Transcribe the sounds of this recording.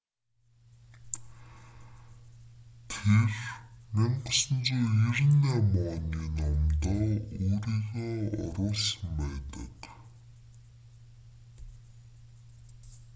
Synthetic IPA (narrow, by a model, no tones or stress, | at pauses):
t̪ʰermeɴɢə̆sə̆nt͡soːirnamɔːniːnɔmt̪ɔːoːɾiːɣeːɔ̰ɾʊːɮsə̆mpæːt̪ə̰̆k